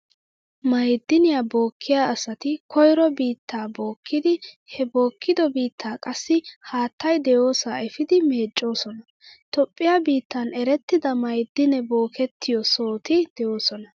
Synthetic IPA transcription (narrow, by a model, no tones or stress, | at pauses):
mɐjd̪ːɪnɪjabo̞ːkʰːɪjaːɐsɐt̪ɪkʰɔjɾɔbiːt̪ːaːbo̞ːkʰːɪd̪ɪ | hɛbo̞ːkʰːɪd̪ɔbiːt̪ʰːaːkʼɐsːɪhaːt̪ːɐjd̪ɛjo̞ːsaːɛfɪd̪ɪmeːt͡ʃʼːo̞ːsɔnɐ | t̪ɔpʼːɪjaːbiːt̪ːɐnɛɾɛt̪ːɪd̪ɐmɐjd̪ːɪnɛbo̞ːkɛt̪ʰːɪjɔso̞ːt̪ɪd̪̥ɛjo̞ːsɔnɐ